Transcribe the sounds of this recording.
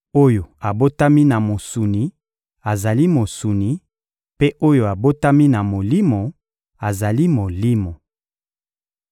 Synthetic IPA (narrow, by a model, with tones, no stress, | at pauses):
o˦jo˨a˨bo˦ta˦mi˦na˨mo˨su˨ni˨ | a˨za˨li˦mo˨su˨ni˨ | pe˦ʔo˦jo˦˨a˨bo˦ta˦mi˦na˨mo˨li˦mo˨ | a˨za˨li˦mo˨li˦mo˨